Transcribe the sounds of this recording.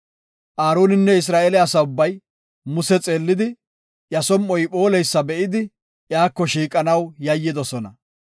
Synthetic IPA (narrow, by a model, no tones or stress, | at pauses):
ʔaːɾoːnɪnːɛɪs̬ɾaːelɛɐsɐʊbːɐj | mʊsɛt͡sʼe̞ːlːɪd̪ɪ | ʔjɐsɔmʔɔjpʼo̞ːlɛjsːɐbɛʔɪd̪ɪ | ʔjaːkːɔʃiːkʼɐnɐwjɐjːɪd̪ɔsɔnɐ